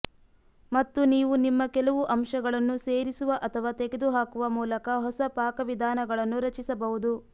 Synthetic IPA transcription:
mɐt̪ːuniːʋunimːɐkɛlɐʋuʔɐmʃɐɡɐɭɐnːuseːɾisuʋɐʔɐt̪ʰɐʋaːt̪eɡed̪uɦaːkuʋɐmuːlɐkɐɦɔsɐpaːkɐʋid̪ʱaːnɐɡɐɭɐnːuɾɐt͡ʃisɐbɐɦud̪u

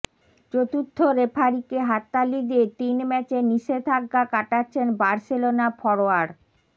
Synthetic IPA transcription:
t͡ɕot̪ut̪ʰːoɾepʰaɾikeɦat̪ːalid̪et̪inmɛt͡ɕeniʃet̪ʰaɡːakaʈatːɕʰenbaɾselonapʰɔɾoaɾ

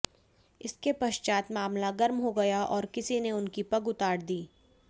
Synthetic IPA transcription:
ɪskepɐʃt͡ʃaːt̪maːmlaɡɐɾmɦoɡɐjaʔɔːɾkɪsineʊnkipɐɡʊt̪aːɽd̪iː

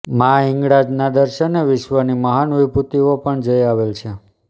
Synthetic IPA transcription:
mãɪ̃ŋɡɽad͡ʒnad̪əɾʃəneʋɪʃʋəniməɦanʋibʱut̪iopəɳd͡ʒəjaʋelt͡ʃʰe

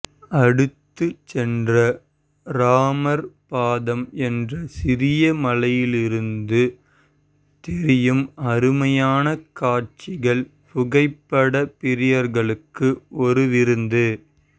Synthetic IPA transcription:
ɐɽɯt̪ːɯt͡ʃɛndrɐ | ɾaːmɐɾpaːðɐmɛndrɐsɪɾɪjɐmɐlɐjɪlɪɾɯnd̪ɯ | t̪ɪɾɪjɯmɐɾɯmɐjaːnɐkaːɾt͡ʃɪɣɐɭ | pʊɣɐɪpːɐɽɐpɪɾɪjɐɾɣɐɭɯkːɯʔɔɾɯʋɪɾɯnd̪ɯ

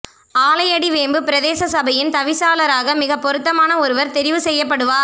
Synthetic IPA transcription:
aːlɐjɐɽiʋeːmbɯpɪɾɐðeːsɐsɐbɐjɪnt̪ɐʋɪsaːlɐɾaːɣɐmɪɣɐpːɔɾɯt̪ːɐmaːnɐɔɾɯʋɐɾt̪ɛɾɪʋɯsɛjːɐp̬ːɐɽɯʋaː

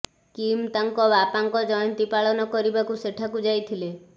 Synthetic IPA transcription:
kimt̪aŋkɔbapaŋkɔd͡ʒɔjɔnt̪ipaɭɔnɔkɔɾibakuseʈʰakud͡ʒajt̪ʰile

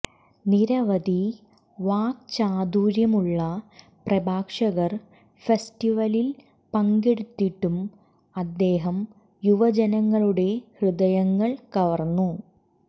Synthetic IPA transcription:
niɾɐʋɐd̪ʱi | ʋaːk̚t͡ɕaːd̪uːɾjɐmuɭːɐ | prɐbʱaːkʂɐɣɐr | festiʋɐlil | pɐŋɡeɽut̪ːiʈːum | ɐd̪ːe̞ːɦɐm | juʋɐd͡ʑenɐŋːɐɭuɽe̞hrɨd̪ɐjɐŋːɐɭkɐʋɐrnːu

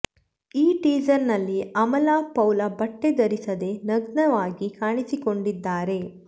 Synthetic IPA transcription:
iːʈiːd͡ʒɐɾnɐlːiɐmɐlaːpɐwlɐbɐʈːed̪ɐɾisɐd̪e̞nɐɡnɐʋaːɡikaːɳisiko̞ɳɖid̪ːaːɾe̞

